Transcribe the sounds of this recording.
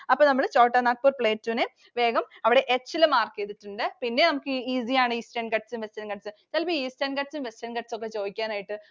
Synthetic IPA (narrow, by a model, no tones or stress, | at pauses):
ɐpːoːnɐmːɐɭt͡ɕoːʈːɐnaːk̚puːrpɭeːtːuːnɨ | ʋe̞ːɡɐmɐʋiɽe̞ʔet͡ɕːilɐmaːrkːeːt̪ːiʈːuɳɖɨpinːe̞nɐmukːɨiːsijaːɳɨiːsʈɐɳɖkɐʈsumʋesʈɐnkɐʈsɨt͡ɕɐlpiiːsʈeɳɖkɐʈsumʋesʈɐːɳkɐʈsok̬ːe̞t͡ɕo̞ːʋikʲːaːnaːjiʈːɨ